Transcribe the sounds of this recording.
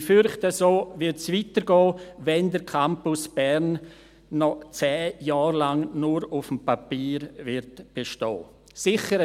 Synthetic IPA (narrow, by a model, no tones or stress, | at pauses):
fʏɾχtəsoːvɪɾtsvitəɾɡɔːvɛndəɾkʰampʊsb̥ɛɾnː | ɔt͡sɛːjaːɾlaŋnʊɾʊfmpapiːɾvɪɾtb̥eʃtɔ̰ː | sɪχəɾ